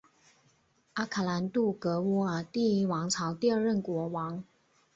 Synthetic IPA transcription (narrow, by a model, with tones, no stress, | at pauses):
a˥kʰa˨˩la˧˥nt̪u˥˩kɤ˧˥wɔ˥ə˨˩t̪i˥˩˧wɑ˧˥ŋt͡sʰɑ˧˥ʊt̪i˥˧ə˞˥˧ɻə˥˩nkwɔ˧˥wɑ˧˥ŋ